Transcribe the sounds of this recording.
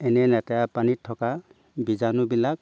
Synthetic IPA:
ɛnɛnɛtajapanitʰːɔka | bizanʊbilak̚

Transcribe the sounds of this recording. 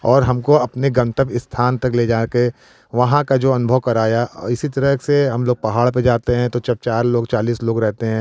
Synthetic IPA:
ɔːɾɦɐmkoɐpneɡɐ̃nt̪əpɪst̪ʰaːnt̪ɐkleːd͡ʒaːke | ʋɐɦãkad͡ʒoːɐnʊbʱəʋkɐɾaːjaɪsit̪ɐɾəɦseɦɐmloːɡ̚pɐɦaːɭped͡ʒaːt̪eɦɛ̃t̪ot͡ʃɐb̚t͡ʃaːɾloːɡt͡ʃaːliːsloːɡɾɛɦt̪eɦɛ̃ː

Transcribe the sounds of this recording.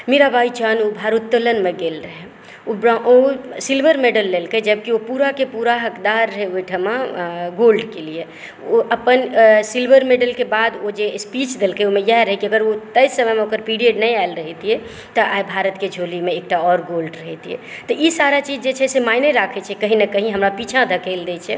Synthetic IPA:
meɾabait͡ʃanubʱaɾut̪ːələnmẽɡelɾəɦɛ | obɾaʔosilbʱəɾmeɖəlːelkəd͡ʒəb̚kiopuɾakepuɾaɦəkd̪aɾːɦɛoʈʰəmaɡolɖkelie | oəpənsilbʱəɾmeɖəlkebad̪od͡ʒespit͡ʃd̪elkəjomejɛɦɾəɦɛkiəɡəɾot̪əjsəməmeokəɾpiɽiəɖnəjaelɾəɦɛt̪ie | t̪ɔʔabʱaɾət̪ked͡ʒʱolimeːk̚ʈaɔɾɡolɖɾəɦɛt̪iḛt̪ɔʔisaɾat͡ʃid͡ʒd͡ʒet͡ʃʰɛsemajneɾakʰɛt͡ʃʰɛkəɦinekəɦĩɦəmɾapit͡ʃʰãd̪ʱəkʰəld̪ɛt͡ʃʰɛ

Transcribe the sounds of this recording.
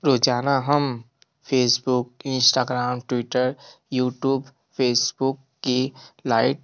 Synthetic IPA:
ɾoːd͡ʒaːnaɦɐm | pʰeːsbʊk̚ɪ̃nsʈaːɡɾaːmʈwɪʈəɾ | juːʈjuːb | fʰeːsbʊkːilaːɪʈ̚

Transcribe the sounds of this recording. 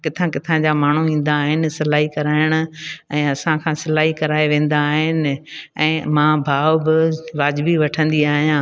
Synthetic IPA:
kɪt̪ʰãkɪt̪ʰãd͡ʑamaːɳ̤uĩːn̆d̪aːɦɪnɪ̆sɐlaːɦikɐɾaːɪɽ̃ʊ̆ɛ̃ːɐsãkʰãːsɪlaːɦikɐɾaːeʋẽːn̆d̪aːɦɪnɪ̆ɛ̃ːmãːbʱaːʋbɪʋaːd͡ʑbiʋɐʈʰə̃nd̪iaːɦijãː

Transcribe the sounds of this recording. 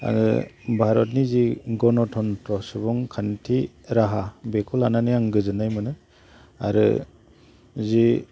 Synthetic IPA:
a̰ɾɯ̰bʱaɾɔtniziɡɔnɔtʰɔntɾɔsɯbɔŋkʰantʰi | ɾaɦabekʰulananijaŋɡɯzɯnajmɯnɯ | a̰ɾɯ̰ | zi

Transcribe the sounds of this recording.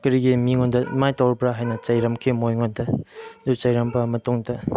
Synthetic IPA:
kɐɾiɡimiŋondɐmajtɐwɾpɾaɦajnɐt͡ʃɐjɾɐmkʰimojŋondɐdut͡ʃɐjɾɐmbɐmɐtuŋdɐ

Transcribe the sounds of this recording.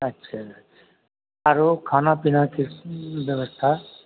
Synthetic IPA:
ətːʃʰa | aɾokʰaːnapinakibjəbəst̪ʰa

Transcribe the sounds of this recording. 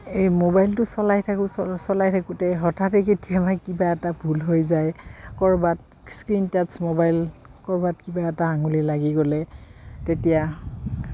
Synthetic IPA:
ejmobajltʊsɔlajtʰakʊssɔlajtʰakʊtɛɦɔtʰatɛketijamakibaɛtabʱulɦojzajkɔɹbat̚ | skɹintatsmobajlkɔɹbatkibaɛtaaŋulilaɡiɡɔlɛtetija

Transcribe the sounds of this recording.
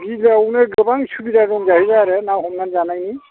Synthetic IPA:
bizawnɛɡɯbaŋsubidaɾɔŋzaɦibaːɾɛnawɔmnanzanajni

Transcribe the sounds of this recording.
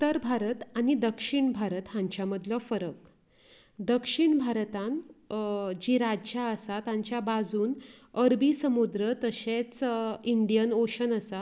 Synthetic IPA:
t̪əɾbʱaɾət̪añid̪əkʂiɳbʱaɾət̪ɦãɲt͡ɕjaməd̪ləfəɾək̚ | d̪əkʂiɳbʱaɾt̪ãn | d͡ʑiɾad͡ʑt͡ɕaəsat̪ãɲt͡ɕjabad͡zuːnəɾbisəmud̪ɾət̪əɕẽt͡siɳɖijənoɕənəsa

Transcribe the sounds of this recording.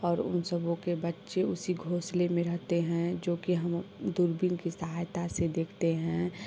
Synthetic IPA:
ɔːɾʊ̰nsəbõkebɐtːʃeʊsiɡʱoːslemẽɾɐɦt̪eɦɛ̃d͡ʒoːkiɦɐmd̪uɾbɪnkisəɦaːjt̪ased̪eːkʰt̪eɦɛ̃

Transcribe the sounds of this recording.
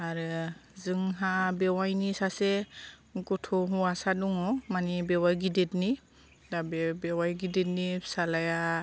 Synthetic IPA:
aɾɯzɯŋɦabɛwajnisasɛ | ɡɔtʰɔɦuasaduŋɔmanibɛwajɡidetni | dabɛbɛwajɡidet̚nisalaja

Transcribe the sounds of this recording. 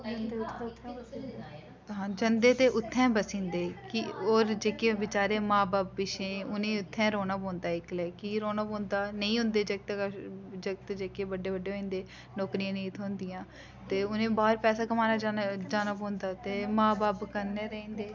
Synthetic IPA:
d̪ʰt̪ʰː | ɦãːd͡ʒənd̪eːt̪eːʔʊt̪ʰːɛ̃ːbəsĩːnd̪eːkɪoːɾd͡ʒeːkeːʋɪt͡ʃaːɾeːmãːbaːpːɪʃẽːʊnẽːʊt̪ʰːɛ̃ːɾoːnaːpõːnd̪aːɪklɛːkiɾoːnaːpõːnd̪aːnəĩːɦʊ̃nd̪eːd͡ʒək̚t̪d͡ʒək̚t̪d͡ʒeːkeːbəɖeːbəɖːeːoĩːnd̪eː | noːkɾijãːnẽiːt̪ʰoːʊnd̪ɪjãː | t̪eːʊnẽːbaːɾpɛːsaːɡəmaːnaːd͡ʒaːnaːbõːnd̪aːt̪eːmãːbaːpkəɾneːɾəĩːnd̪eː

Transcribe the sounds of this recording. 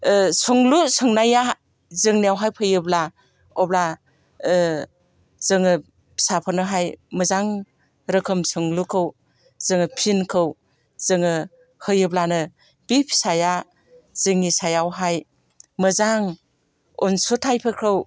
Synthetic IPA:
sɔŋlusɯŋnaja | zɯŋnijawɦajpʰɯjɯbla | ɔbla | zɯŋɯ | sapʰanɯɦajmɯzaŋ | ɾɯkʰɯmsɯŋlukʰɯw | zɯŋɯpʰinkʰɯw | zɯŋɯ | hɯjɯblanɯ | bipʰsaja | z̥ɯŋisajawɦaj | mɯzaŋ | ɔnsotʰajpʰɯkʰɾɯw

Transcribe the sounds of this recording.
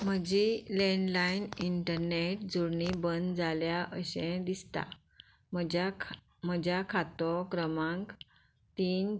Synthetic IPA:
m̤əd͡ʑilẽɳlainiɳʈəɾneʈ̚d͡zuɾɳibənd͡zaljaʔəɕẽd̪ist̪a̰ | məa | m̤əd͡ʑjakʰat̪ɔkɾəmãŋk | t̪iːn

